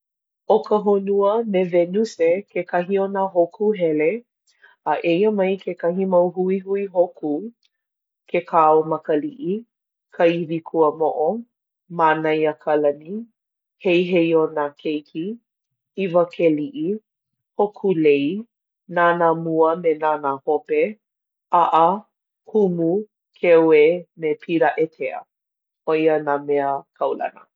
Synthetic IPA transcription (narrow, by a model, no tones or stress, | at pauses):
okəɦonuəmevenusekʰekɐɦionaɦokʰuɦɛle | aʔejəmɐjkʰekɐɦimawɦuiɦuiɦokʰu | kʰekʰaomɐkəliʔi | kʰɐivikʰuəmoʔo | manɐjakʰalɐni | hejɦejonakʰejkʰi | ivəkʰeliʔi | hokʰulej | nanamuəmenaːnahope | aʔə | humu | kʰɛwemepʰiɾaʔetʰeə̰ | oiənaːmɛəkʰɐwlɐ̰nə